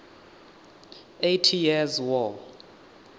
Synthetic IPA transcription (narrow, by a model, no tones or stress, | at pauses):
ejtʰijɛzwɔl